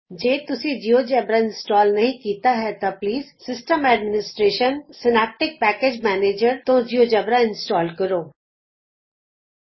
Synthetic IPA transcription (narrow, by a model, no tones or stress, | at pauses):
d͡ʒeːt̪ʊsĩd͡ʒijod͡ʒɛːbɾaɪ̃nsʈɔːlnɐɦĩkiːt̪aɦɛt̪ɐpliːzsɪsʈəmɛːɖmɪnɪsʈɾeːʃənsɪnaːp̚ʈɪk̚pɛːkeːd͡ʒmɛːneːd͡ʒəɾt̪õd͡ʒijod͡ʒɛbɾaɪ̃nsʈɔːlkɐɾoː